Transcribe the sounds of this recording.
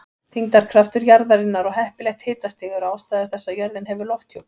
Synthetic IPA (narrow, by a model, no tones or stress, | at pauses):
θiŋk̪aɾ̥kʰɾaft̪ʏɾjaɾðaɾɪnːaɾɔɣɦɛhpɪlɛjxt̪hɪːt̪ast̪ɪːɣʏɾaːwst̪aːjðʏɾ̥θɛsːajœɾðɪnɦɛvʏɾlɔft̪ʰːjow